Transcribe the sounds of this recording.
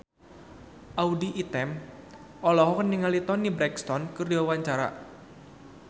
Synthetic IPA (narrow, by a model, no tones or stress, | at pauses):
ʔaudiʔit̪ɛm | ʔɔlɔɦɔkəniŋalit̪ɔnibɾɛkst̪ɔnkərd͡ʒɔwaɲt͡ʃaɾa̰